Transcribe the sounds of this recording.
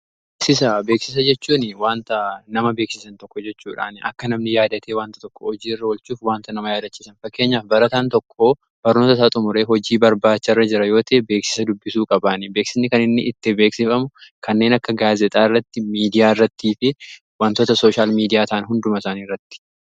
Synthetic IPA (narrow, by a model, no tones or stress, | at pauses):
beːksɪs̬ɐbe̞ːksɪs̬ɐd͡ʒɛt͡ʃːuːnɪwaːnt̪ɐnɐmɐbe̞ːksɪsɐnt̪ɔkːɔd͡ʒɛt͡ʃːuːᶑa̰ːnʔɐ̰kːɐnɐmnɪjaːd̪ɐt̪ʰe̞ːwaːnt̪ɐ̥t̪ɔkːɔɔd͡ʒiːɪrːɐɔlt͡ʃuːfwaːnt̪ɐnɐmɐjaːd̪ɐt͡ʃːiːsɐnfɐkːe̞ːɲːaːfbɐɾɐt̪aːnt̪ɔkʰːoː | b̥ɐɾnoːt̪ɐsaːt̪ʼʊmʊɾe̞ːɦɔd͡ʒiːbɐɾbaːt͡ʃːɐrːɐd͡ʒɪɾɐjo̞ːt̪ʰeːbe̞ːksɪ̥sɐd̪ʊbːɪsuːkʼɐbaːnɪbe̞ːksɪsnːɪkɐnɪnːɪʔɪt̪ːɪbe̞ːksɪfɐmʊkʰɐnːe̞ːnɐkːɐɡaːzɛt̪ʼaːrːɐt̪ːɪmiːd̪ɪjaːɪrːɐt̪ːiːfɪ | waːnt̪oːt̪ɐsoːʃaːlmiːd̪ɪjaːt̪aːnɦʊnd̪ʊmɐsaːniːrːɐt̪ːɪ̥